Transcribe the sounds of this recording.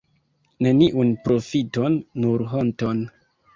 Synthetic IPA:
ne̞niʔunpɾo̞fito̞nːuɾɦonton

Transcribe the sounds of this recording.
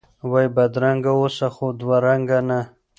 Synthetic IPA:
wajbad̪ɾaŋɡaosaxod̪waɾaŋɡana

